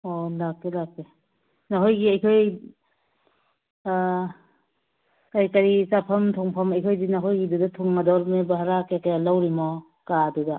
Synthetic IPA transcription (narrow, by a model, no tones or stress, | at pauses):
ɔlakːelakːe | naɦojɡiajkʰɔj | kaɾikaɾisapʰɐmtʰɔŋpʰamajkʰɔjdinaɦɔjɡidudatʰɔŋmadɔɾmebaɦaɾakekajalawɾimɔ | kaduda